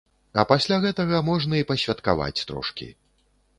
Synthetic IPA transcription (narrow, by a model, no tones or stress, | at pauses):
ɐpasʲlʲaɣɛt̪ɐɣɐmɔʐnɐipɐɕʲvʲat̪kava̰t͡sʲt̪ɾɔ̰ʂkʲḭ